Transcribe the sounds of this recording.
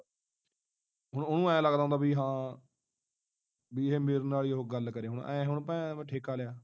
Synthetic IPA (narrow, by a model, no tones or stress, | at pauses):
ɦʊɳonũːɛ̃ːləɡd̪aːõːd̪aːbiːɦãː | biːɦeːmeːɾnaːliːɦoːɡəlːkəɾeːɦʊɳɛ̰̃ːɦʊɳpɛ̃ːʈʰeːkaːlejaː